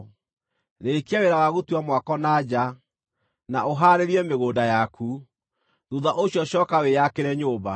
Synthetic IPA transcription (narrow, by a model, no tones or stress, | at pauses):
ɾekiaweɾawaɣutuamwakɔnad͡ʑa | naoɦaɾeɾiɛmeɣoːdajakʰu | ðuðaʔoɕiɔɕɔːkawejakeɾɛɲoːβa̰